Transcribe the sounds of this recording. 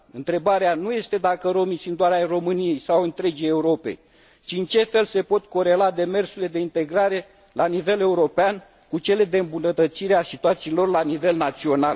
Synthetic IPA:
ɨnt̪ɾe̞baɾeanuje̞st̪e̞d̪akəɾo̞misɨnt̪oaɾeajro̞mɨnije̞jsawɨnt̪ɾe̞d͡ʒijeuɾo̞pe̞̰j | t͡ʃiɨnt͡ʃe̞fe̞lse̞po̞t̪ko̞ɾe̞lad̪e̞me̞rsuɾile̞d̪e̞int̪e̞ɡɾaɾe̞ | lanive̞le̞uɾo̞pean | kut͡ʃe̞le̞d̪e̞ɨmbunət̪ət̪siɾeasit̪uat̪siːlo̞rlanive̞lnat̪sio̞nal

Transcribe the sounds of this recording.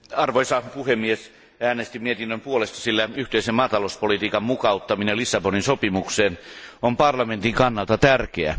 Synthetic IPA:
ɑrʋoisɑpuhemːies | æːnest̪imiet̪inːømpuolest̪ɑ̥silːæyht̪eisemmɑːt̪ɑlouspolit̪iːkɑmmukɑut̪ːɑminelisːɑboninsopimukseːnompɑrlɑment̪iŋkɑnːɑlt̪ɑt̪ærkeæ̰

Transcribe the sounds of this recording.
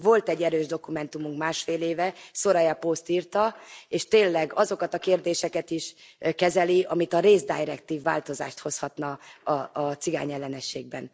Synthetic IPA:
vo̞lt̪ɛɟːɛɾøːʒd̪o̞kumɛnt̪umuŋkmaːʃfeːleːvɛso̞ɾɒjɛpost̪iːrt̪ɒeːʃt̪eːnlːɛɡɒzo̞kɒt̪ɒkeːrd̪eːʃɛkɛt̪iʃkɛzɛliɒmit̪ɒɾeːzd̪ajɾɛkt̪iːvːa̰ːlt̪o̞za̰ːʃt̪ho̞shɒt̪nɒɒːt̪siɡa̰ːɲɛlːɛnɛʃeːɡ̚bɛ̰n

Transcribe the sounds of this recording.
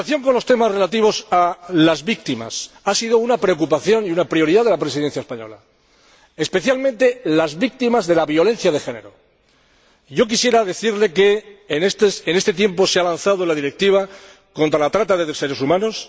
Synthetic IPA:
aθjo̞ŋkonlost̪e̞mazre̞lat̪iβ̞o̞salazβik̚t̪ima̰s | asiðo̞unapɾe̞ok̬upaθjo̞niunapɾio̞ɾiðaðe̞lapɾe̞siðe̞n̟θjaespaɲo̞̰la̰ | e̞spe̞θjalmẽnt̪e̞lazβik̚t̪imazðe̞laβjo̞lẽ̞n̟θjaðe̞xe̞ne̞ɾo̞ | ɟ͡ʝo̞k̬isje̞ɾaðe̞θiɾle̞ke̞st̪sene̞st̪e̞t̪̬je̞mpo̞sealanθaðo̞lað̞iɾe̞k̚t̪iβ̞a | ko̞nt̪ɾalat̪ɾat̪aðeðese̞ɾe̞sumãno̞s

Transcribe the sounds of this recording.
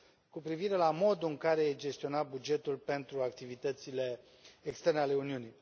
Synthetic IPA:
kupɾiviɾe̞lamo̞d̪uɨŋkaɾe̞jed͡ʒe̞st̪io̞nat̪̚bud͡ʒe̞t̪ulpe̞nt̪ɾuak̚t̪ivit̪ət̪sile̞ | ekst̪e̞rneale̞uniunij

